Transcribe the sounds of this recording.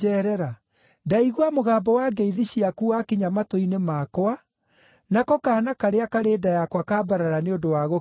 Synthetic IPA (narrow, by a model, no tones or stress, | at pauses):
ɛɾɛɾa | daiɣwamoɣaːbɔwaːɡeiðiɕiakuakiɲamatoinemaːkwa | nakɔkaːnakaɾeakaɾeːdajakwakaːbaɾaɾaneondowaɣo